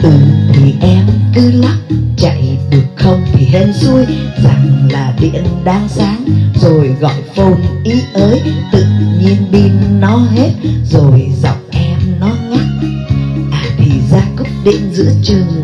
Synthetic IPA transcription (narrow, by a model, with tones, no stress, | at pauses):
ʔɨ˨˩t̪ʰi˨˩ʔɛ˧mkɨ˨˦la˦˥p̚t͡ɕa̰˧˨jɗɨ˨˩ək̚xə˧wŋ͡mt̪ʰi˨˩ɦə˧nsu˧əjza˨˩ŋlaː˨˩ɗḭ˧˨ənɗaː˧ŋsaː˨˦ŋzo˨˩jɣɔ̰˧˨jfo˧nʔi˨˦ʔəː˨˦jt̪ɨ̰˧˨ɲi˧ənɓi˧nːɔ˨˦ɦe˦˥t̚zo˨˩jzɔ̰˧˨wŋ͡mʔɛ˧mnɔ˨˦ŋa˦˥t̚ | ʔaː˨˩t̪ʰi˨˩zaː˧kʊ˦˥k͡p̚ɗḭ˧˨ənzɨ̰˧˥ət͡ɕɨ˨˩ŋ